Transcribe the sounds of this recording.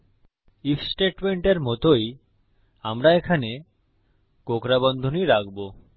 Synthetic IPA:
ifʰsʈeʈmeɳʈeɾmɔt̪oj | amɾaekʰane | kokɾabɔnd̪ʱoniɾak̚bo

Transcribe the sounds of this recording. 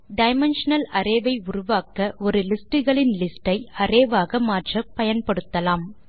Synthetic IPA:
ɖɐɪmɐnʂɐnɐlɐɾeːʋɐɪʊɾʊʋaːkɐʔɔɾɯlɪsʈɯɣɐɭɪnlɪsʈɐɪɐreːʋaːɣɐmaːʈrɐpɐjɐnpɐɽɯt̪ːɐlaːm

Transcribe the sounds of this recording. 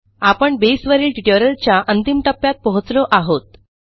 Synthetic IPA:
apəɳbesʋəɾiːlʈiʈoɾəlt͡ɕjaʔənt̪imʈ̪əpːjat̪̚pɔɦut͡slɔʔaɦot̪̚

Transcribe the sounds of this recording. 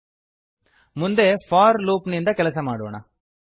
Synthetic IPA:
mʊnd̪eːfaːɾluːpnind̪ɐkɛlɐsɐmaːɽɯo̰ːna̰

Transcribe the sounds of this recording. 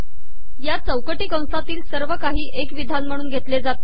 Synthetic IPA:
jat͡səwkəʈiːkə̃w̃sat̪iːlsəɾʋəkaɦiːʔekʋid̪ʱanm̤əɽ̃uːnɡʱet̪led͡zat̪e

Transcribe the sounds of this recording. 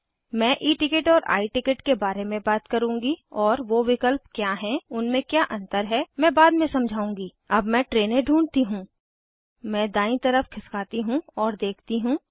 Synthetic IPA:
mɛ̃ːʔiːʈɪkeʈɔːɾʔa̰ːiʈɪkəʈkebaːɾemẽbaːt̪kɐɾũːŋɡiɔːɾʋoʋɪkəlpkjaːɦɛ̃ʊnmẽkjaːʔɐ̃nt̪əɾɦɛmɛ̃ːbaːd̪mẽsɐ̃md͡ʒʱaːũːŋɡiː | ɐbmɛ̃ʈɾeːnẽɖʱũːɳt̪iɦũː | mɛ̃ːd̪ãːĩt̪ɐɾəfkʰɪskaːt̪iɦũɔːɾd̪eːkʰt̪iɦũː

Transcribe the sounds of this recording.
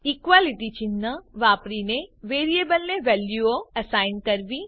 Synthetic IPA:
ikʋaːliʈit͡ʃinːəʋaːpɾineʋeːɾiebəlneʋɛːljuoɐsaːɪnɖkɐɾʋi

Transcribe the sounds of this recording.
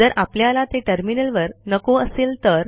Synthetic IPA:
d͡zəɾʔapljalat̪eʈəɾminəlʋəɾnəkoəselt̪əɾ

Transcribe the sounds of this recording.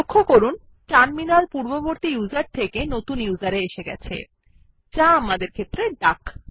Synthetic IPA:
okʰːokoɾun | t͡ɕanminaɾpuɾboboɾt̪ijuzaɾt̪ʰekenot̪unjuzaɾeeʃeɡɛ̰t͡ɕʰḛ | t͡ɕaamad̪eɾkʰet̪ːɾeɖak

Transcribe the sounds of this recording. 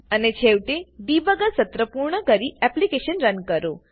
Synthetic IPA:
ənet͡ɕʰeʋʈebiːbəɡəsət̪ɾəpuɾɳəkəɾiɛplikeɕənɾənkəɾo

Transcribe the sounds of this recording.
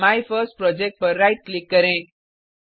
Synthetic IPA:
majfəsʈ̚pɾɔd͡ʒek̚ʈ̚pəɾːajʈ̚klikːəɾẽ

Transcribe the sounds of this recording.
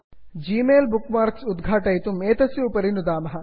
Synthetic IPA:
d͡ʒiːmeːlbukmaːɾksud̪ɡʱaːʈɐjit̪umeːt̪ɐsjupɐɾinud̪aːmɐɦɐ

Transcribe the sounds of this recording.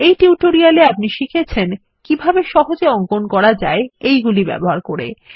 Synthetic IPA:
ejʈiuʈoɾialeap̚niʃikʰet͡ɕʰen | kibʱabeʃɔɦod͡ʑeɔŋkonkɔɾad͡ʑaeejɡulibɛ̰boɦaɾkoɾḛ

